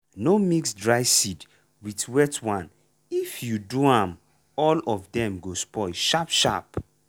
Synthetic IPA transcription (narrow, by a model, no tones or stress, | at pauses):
nomiksdɹaɪsid | witwɛtwãn | ifjuduãm | ɔlɔvdɛ̃mɡospɔɪʃapʃa̰p